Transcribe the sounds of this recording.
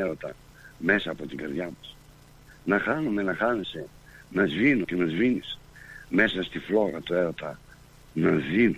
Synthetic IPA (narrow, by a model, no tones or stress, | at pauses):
eɾot̪ɐ̰ | me̞sɐːpo̞t̪iŋɡɐɾðʝɐmɐs | nɐxɐnume̞nɐxɐnese̞ | nɐzvinocenɐzvinisme̞sɐst̪iflo̞ɣɐt̪ue̞ɾo̞t̪ɐ | nɐðinu